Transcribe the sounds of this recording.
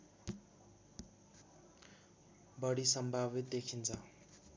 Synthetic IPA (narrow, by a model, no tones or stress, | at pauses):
bʌɽisʌmbʱabit̪̚d̪ekʰint͡sʰʌ